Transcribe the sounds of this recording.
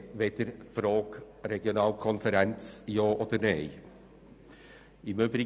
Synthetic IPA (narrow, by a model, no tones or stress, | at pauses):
ʋɛt̪əɾfɾoːɡ̥ | ɾɛɡɪʊnɑːlkʰɔnfəɾɛnt̪sjoːʔod̪əɾnɛɪ | ɪmøːbɾɪ